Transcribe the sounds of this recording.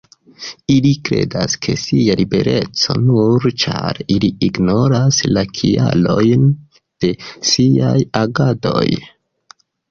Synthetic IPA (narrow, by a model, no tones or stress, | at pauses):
ilikɾe̞da̰skʰe̞sialibe̞̰ɾe̞t͡so̞̰nuɾt͡ʃaɾiliiɡno̞ɾaslakʰia̰lo̞jn | d̥e̞siajaɡado̞̰j